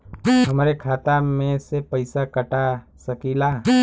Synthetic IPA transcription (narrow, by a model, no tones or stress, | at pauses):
ɦɐmɾekʰaːt̪amẽsepəɪsakəʈa | səkilaː